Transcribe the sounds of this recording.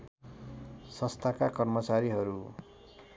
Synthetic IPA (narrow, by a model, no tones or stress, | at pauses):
sʌst̪ʰakakʌrmʌt͡saɾiɦʌɾu